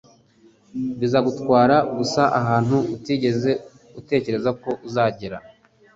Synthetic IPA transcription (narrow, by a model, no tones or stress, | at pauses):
βizaɡutkwaːɾaɡusaʔaɦaːn̥huutiːɟe̞ze̞ | ute̞ːce̞ɾe̞zako̞ʔuzaːɟeɾa̰